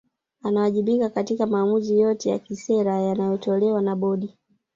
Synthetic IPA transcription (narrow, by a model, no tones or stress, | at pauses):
anawaʄiɓikakatikamaːmuzijɔtɛja̰kisɛɾajanajɔtɔlɛwanaɓɔɗi